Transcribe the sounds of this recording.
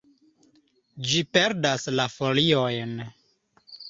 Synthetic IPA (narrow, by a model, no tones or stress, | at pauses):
d͡ʒipeɾdaslafoliojn